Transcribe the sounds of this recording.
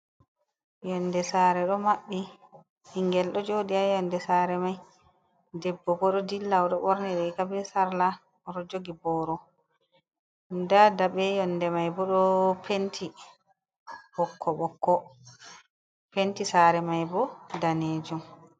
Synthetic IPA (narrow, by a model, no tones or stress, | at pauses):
jɔnːdɛsaːɾɛɗɔmaɓːi | hiŋɡɛlɗɔd͡ʒoːdiajɔndɛsaːɾɛmaj | dɛbːɔɡɔɗɔdilːawɗɔɓɔɾnɛɗɛkabɛsaɾla | ɔɾɔd͡ʒoɡibɔɾɔ | ndadabɛjɔndɛmajbɔɗɔpʰentʰi | bɔkʰːɔɓɔkːɔ | pentisaɾɛmajbɔdaneːd͡ʒum